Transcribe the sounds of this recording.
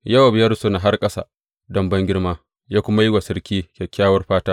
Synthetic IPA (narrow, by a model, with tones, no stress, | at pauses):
jɐ˦wa˨bjɐ˦ɾso˦na˨ɦa˦rkʼɐ˦sa̰˨ | dɐ˨˦mbɐ˦ŋɡʲɪ˦ɽmaː˦ | jaː˦kʷʊ˦ma˦jɪ˦ɡʷa˨sɐ˦rkʲiː˦kʲe˨kʲːaː˦wɐ˦rɸaː˦taː˦